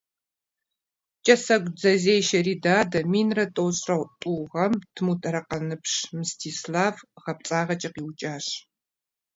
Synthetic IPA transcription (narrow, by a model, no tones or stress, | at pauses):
t͡ʃʼɐsɐɡʷd͡zɐzeːjʃɐriːdaːdɐmiːnrɐtʼowɕʼrɐwtʼuːʁɐmtʰɨmuːtʰʼɐɾɐqɐnɨpʂmɨstʰiːslaːvʁɐp̚t͡sʼaːʁɐt͡ʃʼɐqiːwt͡ʃʼaːɕ